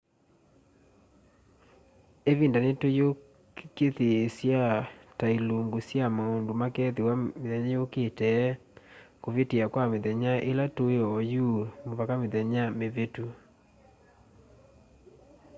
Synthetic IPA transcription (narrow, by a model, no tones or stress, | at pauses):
eβindanetojo | ketesjatailoŋɡusjamaondomakɛðewameðɛɲajoketɛkoβeteakwameðɛɲaʔelatoeɔjumovakameðɛɲameβetu